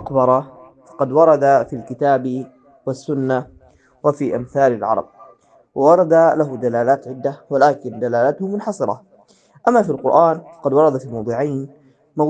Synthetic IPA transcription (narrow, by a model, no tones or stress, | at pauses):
ʔqbɑɾˤɑ | fɑ̥qɑd̪wɑɾˤɑd̪afilkɪt̪aːb | wasːʊnːa | wafiːʔamθaːlalʕɑ̰ɾˤɑ̰b̚ | wɪwɑɾˤɑd̪alaɦud̪alaːlaːt̪ʕɪd̪ːawalaːkɪnd̪alaːlat̪hʊmʊnħɑsˤɨɾˤɑ̰ | ʔamːafilqʊɾʔaːnfɑ̥qɑd̪wɑɾˤɑd̪afimɑwd̪ˤuːʕajn | ma